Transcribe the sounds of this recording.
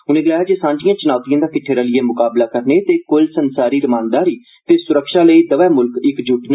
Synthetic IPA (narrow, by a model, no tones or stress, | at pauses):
ʊnẽːɡəlaːjaːd͡ʒeːsãːɲd͡ʒijãːt͡ʃənaːt̪ijãːd̪aːkɪʈʰːeːɾaːlɪeːmʊkaːblaːkəɾneːt̪eːkʊlsənsaːɾiːɾəmãːnd̪aːɾiː | t̪eːsʊɾəkʃaːləiːd̪əʋɛːmʊlkɪkd͡ʒʱʊʈnː